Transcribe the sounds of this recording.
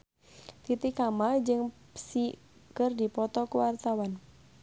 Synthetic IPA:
t̪it̪ikamad͡ʒɨŋ | si | kərdipɔt̪ɔkuwart̪awan

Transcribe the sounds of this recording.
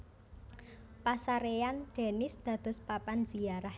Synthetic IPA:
pasaɾeanɖ̥e̤nɪsd̪̥ä̤d̪̥ɔ̤spapanz̥ijaɾah

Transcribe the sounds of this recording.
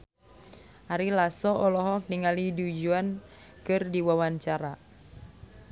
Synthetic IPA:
ʔaɾilasɔɔlɔɦɔk̚diŋalidud͡ʒuan | kɨrdiwawaɲt͡ʃaɾa

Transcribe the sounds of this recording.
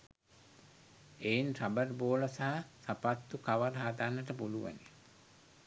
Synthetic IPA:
einrabərboːləsaɦasapat̪ːukaʋəɾɦad̪anːəʈəpuluʋa̰ni

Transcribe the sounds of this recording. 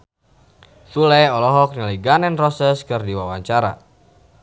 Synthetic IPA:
t̪ulɛɔlɔɦɔk̚niliɡanɛnrɔsɛskɨrdiwawaɲt͡ʃaɾa̰

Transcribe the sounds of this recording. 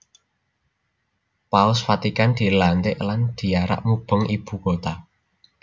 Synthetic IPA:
paʊsfat̪ikand̪̥i̤lant̪ɪʔland̪̥i̤aɾa̰ʔmub̥əŋib̥ṳkot̪a

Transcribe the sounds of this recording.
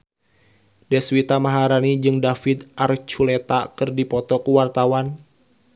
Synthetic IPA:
dɛswit̪amaɦaɾanid͡ʒɨŋdafid̪ʔart͡ʃulet̪akɨrdipɔt̪ɔkuwart̪awan

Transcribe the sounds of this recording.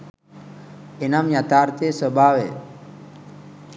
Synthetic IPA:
enamjat̪aːɾt̪esəbʱaːʋe

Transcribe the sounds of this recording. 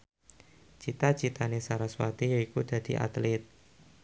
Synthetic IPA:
t͡ʃit̪at͡ʃit̪anesaɾaswat̪ijaikud̪̥a̤d̪̥iʔa̰t̪lɪt̪̚

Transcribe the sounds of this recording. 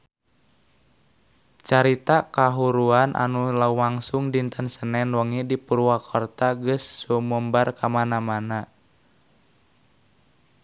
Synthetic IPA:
t͡ʃaɾit̪akaɦuɾuanʔa̰nulaumaŋsuŋdint̪ənsənɛnwɔŋidipuɾuakʰɔrt̪aɡəsːumɔmbarkʰamanamana

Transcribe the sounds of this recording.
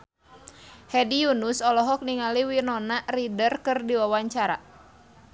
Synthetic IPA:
hɛdijunusɔlɔɦɔk̚niŋaliwinɔnaʔridərkɨrdiwawaɲt͡ʃaɾa̰

